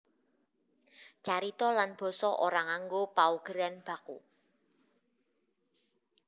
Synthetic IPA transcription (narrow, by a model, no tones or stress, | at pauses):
t͡ʃaɾit̪ɔlanb̥ɔ̤sɔʔoɾaŋaŋɡopauɡ̥əɾanb̥a̤kṵ